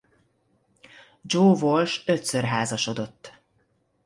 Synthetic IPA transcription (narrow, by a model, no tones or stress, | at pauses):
d͡ʒoːvolʃøt̪sørɦaːzɒʃo̞d̪o̞t̪ː